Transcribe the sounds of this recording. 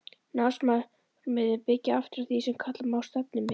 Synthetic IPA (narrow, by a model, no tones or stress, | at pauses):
nasma | mɪðɪpɪcːɪaft̪ɪɾaθisɛmkʰat̪lamaːwst̪ɛp̚nɪmɪ